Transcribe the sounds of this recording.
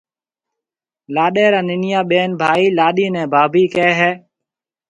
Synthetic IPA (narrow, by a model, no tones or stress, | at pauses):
laːɗeːɾãːnɪnɪjaːɓeːnbʱaːiːlaːɗiːnɛ̃ːbʱaːbiːkɛːɦɛː